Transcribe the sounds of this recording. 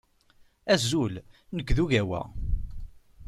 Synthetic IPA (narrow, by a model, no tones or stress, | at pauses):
æzul | nəkːðuʝæwæ̰